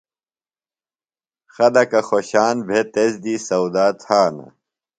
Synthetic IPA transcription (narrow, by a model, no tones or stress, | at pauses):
xɐd̪ɐkɐxoɕaːnbʱet̪ezd̪isɐwd̪aːt̪haːnɐ̰